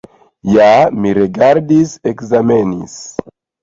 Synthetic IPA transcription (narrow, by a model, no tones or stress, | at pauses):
jamiɾeɡaɾdisekzamenḭs